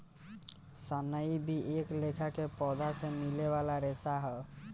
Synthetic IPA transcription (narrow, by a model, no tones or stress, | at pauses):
sənəibʱieklekʰakepɔd̪ʱasẽmileβalaɾesaɦɔ